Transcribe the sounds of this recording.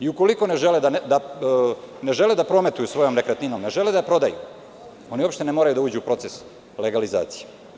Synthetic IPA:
iuko̞liko̞ne̞ʒe̞led̪and̪a | ne̞ʒe̞led̪apɾo̞me̞t̪ujusʋo̞jo̞mnekɾet̪nino̞mne̞ʒe̞led̪apɾo̞d̪ajṵ | o̞nio̞pʃt̪enemoɾajud̪auːd͡ʑuupɾo̞t̪ses | leɡaliza̰ːt̪si̥je

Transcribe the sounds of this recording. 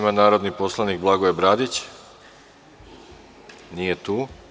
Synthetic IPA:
manaːɾo̞d̪nipo̞slˠaniɡ̚blˠaɡoebɾaːd̪it͡ɕ | nijet̪uː

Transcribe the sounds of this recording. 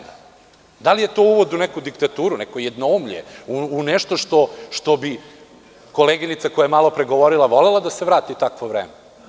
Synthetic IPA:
d̪alije̞t̪o̞uʋo̞d̪unɛkud̪ikt̪at̪uːɾunɛkojed̪noumʎḛuunɛʃt̪o̞ʃt̪o̞ʃt̪o̞bi | ko̞leɡinit̪sakojajemalo̞pɾeɡo̞ʋoɾilˠaʋo̞lelˠad̪aseʋɾaːt̪it̪akʋoʋɾḛːme

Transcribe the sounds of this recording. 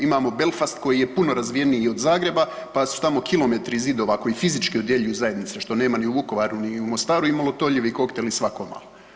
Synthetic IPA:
imaːmo̞be̞lˠfast̪ko̞jije̞puno̞ɾazʋije̞nijio̞d̪zaːɡɾe̞ba | pasu̥t̪amo̞kilo̞me̞t̪ɾizid̪o̞ʋako̞jifizit͡ʃkiod̪je̞ʎujuzaje̞d̪nit̪se̞ʃt̪o̞ne̞ːmaniuʋuko̞ʋaɾuniumost̪aːɾuimalˠo̞t̪o̞ʎiʋiko̞kt̪e̞lisʋako̞ma̰lo

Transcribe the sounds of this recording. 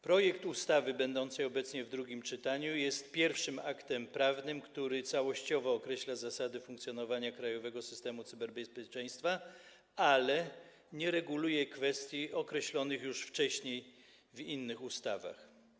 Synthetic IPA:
pɾɔjɛkt̪ust̪avɘbɛnd̪ɔnt̪sɛjɔbɛt̪sɲɛvd̪ɾuɡʲimt͡ʂɘt̪aɲujɛst̪pʲjɛɾfʂɘmakt̪ɛmpɾavnɘmkt̪uɾɘt̪sawɔɕt͡ɕɔvɔːkɾɛɕlazasad̪ɘfuŋkt̪sʲjɔnɔvaɲakɾajɔvɛɡɔsɘst̪ɛmut̪sɘbɛɾbɛspʲjɛt͡ʂɛj̃st̪fa | alɛ | ɲɛɾɛɡulujɛkfɛst̪ʲjiɔkɾɛɕlɔnɘxjuʂft͡ʂɛɕɲej | vinːɘxust̪ava̰x

